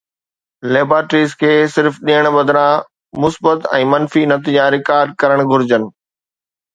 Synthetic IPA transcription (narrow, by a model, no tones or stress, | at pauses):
leːbaːʈɾiːzkʰeːsɪɾfɗiəɽ̃ɓɐd̪ʱɾã | mʊsbət̪ɛ̃ːmɐnfinɐt̪ɪ̃d͡ʑãɾɪkaːɾɖ̚kɐɾəɽ̃ɡʱʊɾɪd͡ʑənɪ̆